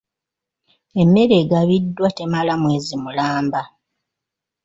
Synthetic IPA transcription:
e̞mːe̞ɾe̞ːɡaβidːwate̞malamwe̞ːzimulaːmba

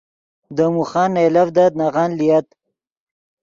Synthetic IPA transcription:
d̪əmuxɑːnːajlavd̪ad̪̚naɣɑnlijat̪

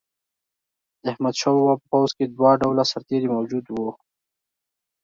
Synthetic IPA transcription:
ahmad̪ʃɑwwapəpawzked̪wɑɖawlasaɾt̪eɾimawd͡ʒud̪wo

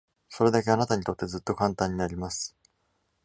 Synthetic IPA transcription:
so̞ɾe̞d̪ake̞anat̪aɲ̟it̪o̞t̪ːe̞zɨt̪ːo̞kãnt̪ãɲ̟ːinaɾʲimasɨ̥

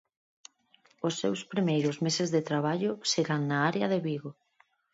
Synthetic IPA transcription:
ʊsːewspɾimejɾʊzmesezðet̪ɾaβ̞aʎʊseɣaŋnaaɾeɐðeβiɣo

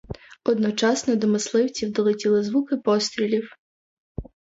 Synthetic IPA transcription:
ɔd̪nɔt͡ʃɑsnɔd̪ɔmɪslˠɪwt͡sʲiwd̪ɔlˠetʲilˠɪzʋukɪpɔst̪ɾʲilʲiw

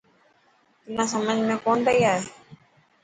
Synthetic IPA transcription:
t̪ɪnãːsəməd͡ʒʱmẽkoːnd̪əiaːɦeː

